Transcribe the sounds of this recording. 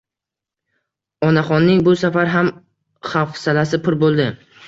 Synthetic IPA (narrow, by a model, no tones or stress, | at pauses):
ɒnaχɒnːɪŋbʊsafaɾɦam | χafsalasɪpʰʊɾbolˠd̪ɪ